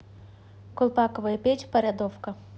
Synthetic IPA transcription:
kɔlˠpɑkɔʋɐjɐpʲɛt͡ʃʲpɔɾʲad̪ɔwkɐ

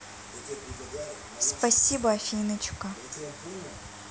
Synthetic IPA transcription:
spɐsʲibɐɐfʲinɐt͡ʃka

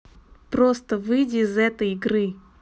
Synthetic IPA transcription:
pɾost̪əvɨjdʲɪːzɛt̪əjɪɡɾɨ

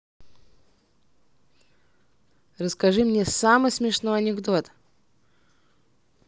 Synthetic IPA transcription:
rəskɐʐɨmnʲesamɨjsmʲɪʂnojɐnʲɪɡd̪o̞t̪

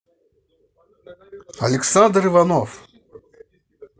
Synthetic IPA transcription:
ɐlʲɛksand̪ɾɨvanɔf

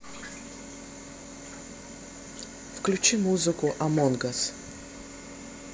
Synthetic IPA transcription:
fklʲut͡ɕimuzɨkʊʔɐmonɡɐs

